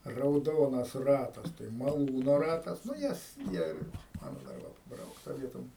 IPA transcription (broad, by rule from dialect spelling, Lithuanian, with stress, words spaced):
rɐʊˈdoːnɐs ˈrɑːtɐs tɐɪ mɐˈlˠuːnoː ˈrɑːtɐs nʊ ˈjɛs ˈjiɛ ˈmɑːnoː dɐr ˈʋɐ pɐˈbrɐʊktɐ ˈʋʲiɛtoːm